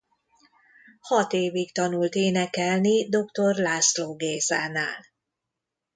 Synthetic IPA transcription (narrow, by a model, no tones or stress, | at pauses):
hɒt̪eːvikt̪ɒnult̪eːnɛkɛlnid̪o̞kt̪o̞rlaːsloːɡeːzaːnaːl